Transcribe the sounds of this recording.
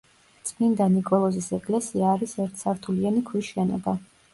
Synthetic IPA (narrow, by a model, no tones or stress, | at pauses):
t̪sʼnind̪anikʼɔlˠɔzisɛkʼlɛsiaːɾisɛɾt̪ʰsaɾt̪ʰulianikʰwisʃɛnɔ̰ba